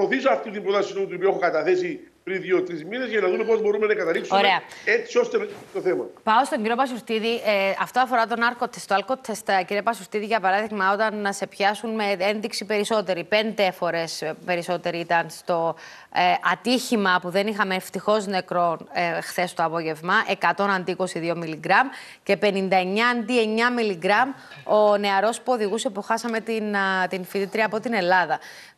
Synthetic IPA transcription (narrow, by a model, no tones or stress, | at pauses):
oθisoɐft̪it̪imbɾot̪ɐsinomut̪uopioexokɐt̪ɐθe̞si | pɾinðiot̪ɾizminezʝɐnɐðume̞po̞zbo̞ɾumenɐkɐt̪ɐliksuoɾe̞ɐet͡sio̞st̪et̪oθemɐpɐost̪o̞ɲɟiɾiopɐs̬ust̪iðiʔeɐft̪oɐfo̞ɾɐt̪o̞nɐɾko̞t̪est̪oɐlko̞t̪ʰest̪ɐciɾiepɐsust̪iðiʝɐpɐɾɐðiɣmɐo̞t̪ɐnɐse̞pçɐsunmeenðiksipe̞ɾiso̞t̪e̞ɾipe̞nd̪e̞fo̞ɾe̞spe̞ɾiso̞t̪e̞ɾiit̪ɐnst̪o̞ | ʔɐt̪içimɐpuðe̞nixɐme̞ːft̪ixo̞zne̞kɾo̞nxθe̞st̪oɐpo̞ʝe̞vmɐʔe̞kɐt̪o̞nɐnd̪iiko̞siðio̞miliɡɾɐm | ce̞pe̞nind̪ɐe̞ɲːɐːnd̪ie̞ɲɐmiliɡɾɐm | o̞ne̞ɐɾo̞spo̞ðiɣusepoxɐsɐme̞t̪int̪infiðit̪ɾiɐːpo̞t̪ine̞lɐðɐ